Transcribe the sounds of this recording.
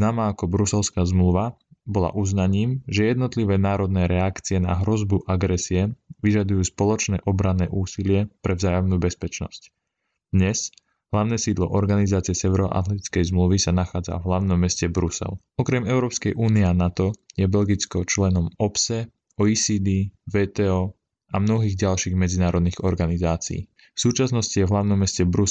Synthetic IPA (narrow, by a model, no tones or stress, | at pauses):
znaːmaːkɔbɾusɛlskaːzmluʋa | bɔla̰ʔuznaɲiːmʒɛjɛd̪nɔt̪liʋɛːnaːɾɔd̪nɛːɾɛakt͡siɛna̰ɦɾɔzbuʔaɡɾɛsiɛʋiʒad̪ujuːspɔlɔt͡ʃnɛːʔɔbɾanːɛːʔuːsilɪɛpɾɛvzaːjɔmnuːbɛspɛt͡ʃnɔ̰sc | d̪̥ɲɛz̥ | ɦlaʊnɛːsiːd̪lɔ̰ʔɔɾɡanizaːt͡siɛsɛʋɛɾɔʔa̰t̪lɛt̪it͡skɛjzmluːʋisanaxaːd͡za̰vɦlaʊnɔmːɛscɛbɾusɛ̰l | ɔkɾɛmɛʊɾɔːpskɛjʔuːniɛanat̪ɔjɛbɛlɡit͡skɔt͡ʃlɛnɔmɔpsɛ | ɔisiːd̪iːʋɛːt̪ɛɔː | amnɔɦiːɣɟalʃiːɣmɛd͡zinaːɾɔd̪niːɣɔɾɡanizaːt͡sḭḭː | fsuːt͡ʃasnɔscijɛvɦlaʊnɔmːɛscɛbɾu